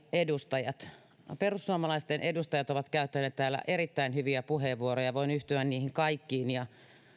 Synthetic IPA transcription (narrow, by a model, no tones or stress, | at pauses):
edust̪ɑjɑt̪ | perusːuomɑlɑist̪enʔedust̪ɑjɑt̪oʋɑt̪kæyt̪ːæneːt̪t̪æːlːæ̰ʔeɾit̪ːæinhyʋiæpuheːʋʋuorojɑʋoinyht̪yænniːhiŋkɑikːiːnjɑ